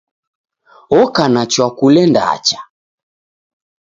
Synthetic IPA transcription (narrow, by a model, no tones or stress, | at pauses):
ɔkanat͡ʃwakulɛnda̰a̰t͡ʃḁ